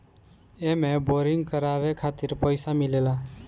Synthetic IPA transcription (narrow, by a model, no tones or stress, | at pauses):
emeboɾiŋɡkəɾaβekʰat̪iɾpəjsamilela